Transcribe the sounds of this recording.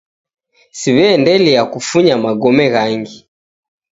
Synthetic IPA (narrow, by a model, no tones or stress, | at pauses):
siβɛːndɛliakufuɲamaɡɔmɛɣaŋɡi